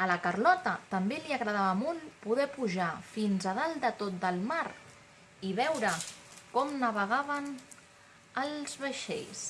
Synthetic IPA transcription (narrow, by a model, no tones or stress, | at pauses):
ələkərlɔt̪ət̪əmbeliəɣɾəðaβəmɔlˠpuðɛpuʒafinzəðalˠd̪ət̪ot̪̚d̪əlˠmaɾ | iβɛwɾəkɔmnəβəɣaβ̞ən | əlˠzβəʃḛʎs